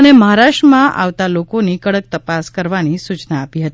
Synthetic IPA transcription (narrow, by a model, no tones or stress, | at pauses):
əneməɦaɾaʃʈɾəmãʔa̰ʋt̪alokonikəɽək̚t̪əpaskəɾʋanisut͡ʃnaːpiɦət̪i